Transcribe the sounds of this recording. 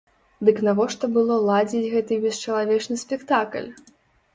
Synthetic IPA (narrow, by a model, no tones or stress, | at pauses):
d̪ɨknavɔʂt̪ɔbɨlˠɔlˠad͡zʲit͡sʲɣɛt̪ɨbʲɛst͡ʂɐlˠavʲɛt͡ʂnɨsʲpʲɛkt̪aklʲ